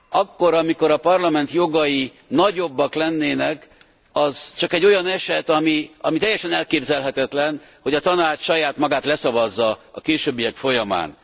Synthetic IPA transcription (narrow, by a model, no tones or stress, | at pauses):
ɒkːo̞ɾɒmiko̞ɾɒpɒrlɒmɛnt̪jo̞ɡɒji | nɒɟo̞bːɒklɛnːeːnɛk | ɒz̥t͡ʃɒkɛɟːo̞jɒnɛʃɛt̪ɒmiɒmit̪ɛjːɛʃɛnɛlkeːbzɛlɦɛt̪ɛt̪lɛnho̞ɟɒt̪ɒnaːt͡ʃʃɒjaːt̪mɒɡaːt̪lɛsɒvɒzːɒɒkeːʃøːbːijɛkfo̞jɒma̰ːn